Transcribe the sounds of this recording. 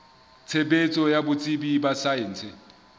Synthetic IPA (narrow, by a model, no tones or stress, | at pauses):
t͡sʰɛp̬ʼet͡sʼɔjabʊt͡sʼibibasajɛːnt͡sʰɛ